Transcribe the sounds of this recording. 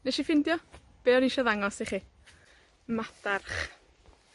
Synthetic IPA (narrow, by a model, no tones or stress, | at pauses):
nɛʃifɪndjɔ | b̥eːɔɾiʃɔðaŋɔsiχiː | matarχ